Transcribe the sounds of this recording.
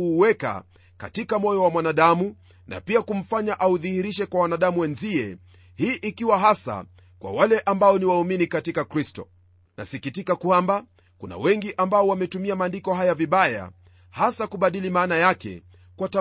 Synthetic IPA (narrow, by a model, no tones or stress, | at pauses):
uwɛka̰ | katikamɔjɔwamwanaɗamu | na̰piakum̩faɲaʔauðihiɾiʃɛkwawanaɗamuwɛnziɛ | hiːʔikiwaɦasa̰ | kwa̰walɛʔambaɔniwauminikatikakɾistɔ | na̰sikitikakwamba | kuna̰wɛŋɡiʔambaɔwamɛtumiamaːndikɔɦajaviɓaja̰ | hasakuɓaɗilimaːnajakɛ̰ | kwata